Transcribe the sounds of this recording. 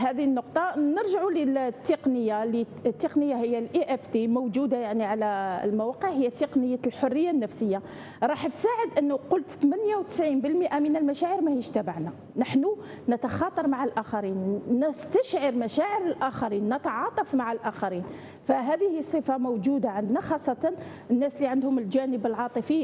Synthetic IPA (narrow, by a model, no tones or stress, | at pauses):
hæd̪inːʊqt̪ˤɑnəɾʒaʕulət̪ːeqnəjːali | t̪ːeqnəjːahəjːælʔiʔæft̪emʊwd͡ʒud̪ajaʕniʕalæ̰lmæwɑqəʕhəjːæt̪ːeqnəjːalħorːəjːanːæfsəjːa | ɾˤɑħt̪saʕəd̪ʔənːʊqʊlt̪t̪mænjawt̪ə̥sʕinbəlmiʔamənəlmæʃaʕəɾmæhiʃt̪æbaʕna | nəħnu | nət̪ɑxɑt̪ˤɑɾˤmaʕalʔæxaɾinːəst̪æʃʕɑɾmæʃæʕəɾəlʔæxaɾinːət̪ʕɑt̪ˤɑfmaʕalʔæxɑɾin | fæɦæd̪ihisˤːəfamowd͡ʒud̪aʕənd̪naxɑsˤːɑt̪ɑn | ənːæsliʕənd̪hʊməld͡ʒænəbəlʕɑt̪ˤəfi